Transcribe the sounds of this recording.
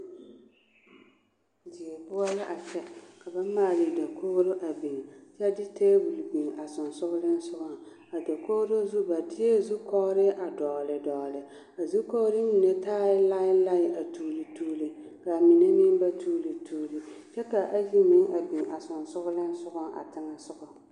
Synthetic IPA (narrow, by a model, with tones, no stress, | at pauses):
d͡ʒi˨e˨bʊ˦a˦la˦ʔa˨t͡ʃɛ˦ka˨ba˦maː˦˨li˨da˨ko˦ɾo˦ʔa˨bi˨ŋ˨t͡ʃɛ˦dɪ˦teː˦bu˨lbi˨ŋa˨sʊ˨nsʊ˦ɡʊ˦lɪ˦n˦sʊ˦ɡa˦ | a˨da˨ko˦ɾo˦zu˦ba˨dɪ˦e˦zu˦kɔ˦ɾɪ˦ʔa˨dɔ˨lɪ˨dɔ˨lɪ˨ | a˨zu˦ko˦ɾɪ˦mi˨ne˦taː˦jɪ˦la˦ɪ˦la˦ɪ˦ʔa˨tuː˦˨lɨ˨tuː˦lɨ˨ka˨mi˨ne˦nɪ˦m˦ba˦tuː˦lɨ˨tuː˦lɨ˨t͡ʃɛ˦ka˨ʔa˦d͡ʒi˦mɪ˦ŋʔa˨bi˨ŋa˨sʊ˨nsʊ˦ɣʊ˦lɪ˦n˦sʊ˦ɡʊ˦ʔa̰˨tɪ˦ŋa˨sʊ˦ɡʊ˨